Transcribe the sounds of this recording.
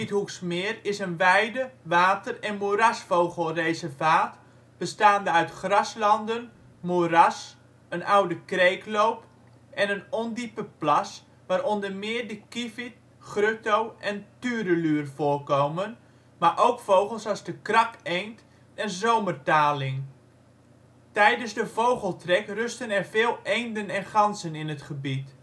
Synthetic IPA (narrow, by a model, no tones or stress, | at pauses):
ithuksmɪːrɪsənʋɛjdəʋaːtərɛnmuəɾasfowɣəl̩ˠrejzərvaːt | b̥əstaːndəœɥtχrɑslɑndən | muras | ənʔawdəkreːkloːp | ʔɛnənɔndipəplas | ʋaːɾɔndərmɪːərdəkifit̚ | χrøtowʔɛntyːdəlyːrfoːrkoːmən | maʔowkfowχəlˠsɑzdəkrɑkejnt | ɛnzowmərtaːlɪŋ | tɛjdənzdəvowχəlˠtrɛkrøstənɛrvɪːlˠejndənɛnχɑnsənɪnətχəbit